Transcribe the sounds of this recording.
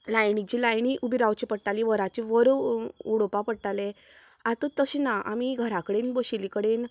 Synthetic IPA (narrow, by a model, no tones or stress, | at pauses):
lajɳik̚t͡ɕilajɳiʔubiɾawt͡ɕipəɽʈaliʋəɾat͡ɕiʋəɾuɽpapəɽʈ̪ale | at̪ət̪əɕinaʔa̰miɡʱəɾakəɽenbəɕilikəɽen